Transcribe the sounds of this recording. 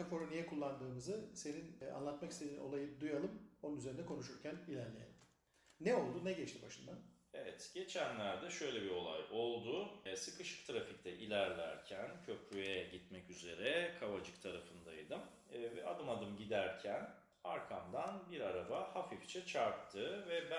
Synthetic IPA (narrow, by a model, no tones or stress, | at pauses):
akʰo̞ɾonijɛkʰulˠːand̪ɯːmɯzɯse̞nina̰nlˠat̪makist̪enino̞̰lˠajɯd̪ujalˠɯmo̞nunyze̞ɾind̪ɛkʰo̞nuʃuɾcʰænilʲæɾlʲejḛlʲimː | ɛo̞lˠd̪unɛɟɛt͡ʃt̪ibaʃɯnd̪an | evɛt̪ɟ̥e̞t͡ʃʰænlʲæɾd̪ɛʃø̞jlʲɛbio̞lˠa̰jo̞lˠd̪ʊsɯkʰɯʃɯ̥kt̪ʰɾafic̚t̪ʰɛʔilʲæɾlʲæ̰ɾcʰæncʰø̞pʰyjɛɟit̪mɛcyze̞ɾɛkʰavad͡ʒɯkt̪ʰaɾafɯnd̪ajd̪ɯmː | vɛ̰ad̪ɯmad̪ɯmɟid̪æɾcʰæn | aɾkʰamd̪anbiɾaɾabahafift͡ʃʰɛt͡ʃʰaɾt̪ʰːɯvɛbæ